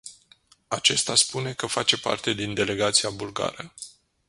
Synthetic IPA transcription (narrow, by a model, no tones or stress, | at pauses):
at͡ʃe̞st̪aspune̞kəfat͡ʃe̞pa̰rt̪e̞d̪ind̪e̞le̞ɡat̪siabulɡa̰ɾə